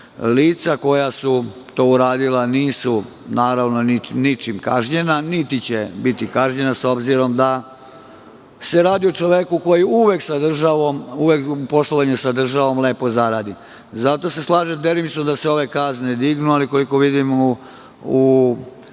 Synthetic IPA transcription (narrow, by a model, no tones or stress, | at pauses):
liːt̪sako̞jasut̪o̞ːuɾaːd̪ilaniːsu | naːɾaʋno̞ninit͡ʃimkaʒɲe̞nanit̪it͡ɕebit̪ikaʒɲe̞naso̞bziɾo̞md̪a | se̞ɾaːd̪iot͡ʃoʋjekuko̞jiuʋe̞ksad̪r̩ʒaʋo̞muʋekupo̞slˠoʋaɲusad̪r̩ʒaʋo̞mleːpo̞zaɾad̪i | zat̪o̞se̞slˠaːʒemd̪e̞limit͡ʃnod̪aseo̞ʋe̞kazned̪iɡnualiko̞liko̞ʋid̪im | u